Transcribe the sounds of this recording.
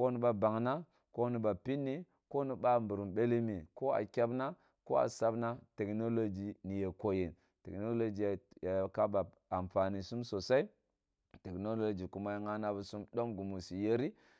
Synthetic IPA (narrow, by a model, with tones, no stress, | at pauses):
ko˦nu˦ba˦ba˨ŋna˦ | ko˦ni˦ba˨pi˦nːi˦ | ko˦ni˦ba˦mbu˨ɾu˨mbe˦li˦mi˨ko˦a̰˨kʲa˦bna˦ | ko˦a̰˨sa˦bna˦te˨kno˦lo˦d͡ʒi˨ni˨je˨ko˨je˨n | te˨no˦lo˦d͡ʒi˨ja˨ja˨ka˦ba˨ | a˨mfa˨ni˨su˦mso˨sa˦i˦ | te˨kno˦lo˦d͡ʒi˨ku˦ma˦ji˦ŋa˦na˦bu˨su˦mɗo˦mɡu˨mu˨si˨je˦ɾi˦